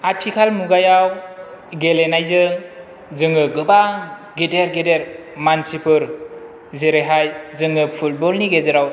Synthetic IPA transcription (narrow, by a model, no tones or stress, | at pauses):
atʰikʰalmuɡajawɡelenajzɯŋ | zɯŋɯɡɯba | ɡedeɾɡedeɾmansipʰɯɾ | zeɾeɦajzɯŋɯpʰulbɔlniɡezeɾaw